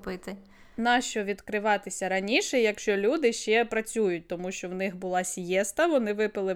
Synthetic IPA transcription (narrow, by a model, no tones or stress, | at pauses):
pɪt̪ɪ | nɑʃt͡ʃɔʋʲid̪kɾɪʋɑt̪ɪsʲɐɾɐnʲiʃɛjɐkʃt͡ʃɔlʲud̪ɪʃt͡ʃɛpɾɐt͡sʲujʊt̚ʲt̪ɔmuʃt͡ʃɔwnɪxbʊlˠɑsʲjɛst̪ɐʋɔnɪʋɪpɪlˠɪ